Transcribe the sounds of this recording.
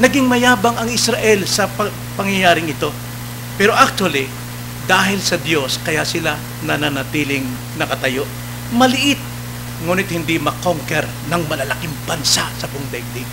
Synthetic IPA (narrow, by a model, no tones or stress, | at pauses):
nɐɡiŋmɐjaːbɐŋɐŋɪsɾɐʔɛlsɐpɐ | pɐŋjɐjaːɾɪŋɪt̪o̞ | pɛːɾo̞ʔak̚t̪ʊɐli | d̪aːɦɪlsɐd̪jo̞skɐjasɪla | nɐnanɐt̪iːlɪŋ | nɐkɐt̪ɐjo̞ʔ | mɐlɪʔɪt̪̚ | ŋuːnɪt̪̚hɪnd̪imɐkoŋkɛɾ | nɐŋmɐlɐlɐkɪŋbɐnsasɐpʊŋd̪ɛɡ̚d̪ɪ